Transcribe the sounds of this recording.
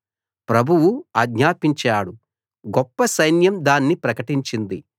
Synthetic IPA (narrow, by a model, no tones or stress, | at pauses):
pɾɐbʱuʋuɐɡɲaːpiɲt͡ʃaːɽu | ɡɔpːɐsɐjnjɐmd̪aːnːipɾɐkɐʈiɲt͡ʃind̪i